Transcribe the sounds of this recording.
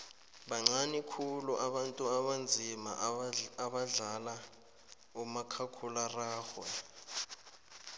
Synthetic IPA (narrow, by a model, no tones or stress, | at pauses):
ɓaŋ͡ǀanikʰuluʔaɓantʼuaɓand͡zʱima̰aɓaɮala | umakʰakʰularaːxwɛ